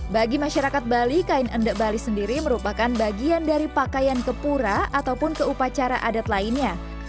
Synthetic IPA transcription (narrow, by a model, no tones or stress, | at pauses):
baɡimaʃaɾakat̪̚balikaɪnəndəʔbalisəndiɾiməɾupakanbaɡiandaɾipakajankəpuɾaat̪awpʊnkəupat͡ʃaɾa̰ʔadat̪laɪnɲa